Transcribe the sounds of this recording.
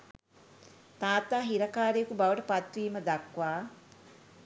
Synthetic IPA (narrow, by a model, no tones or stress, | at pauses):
t̪aːt̪aːɦiɾakaːɾejəkubaʋəʈəpat̪ʋiːməd̪akʋaː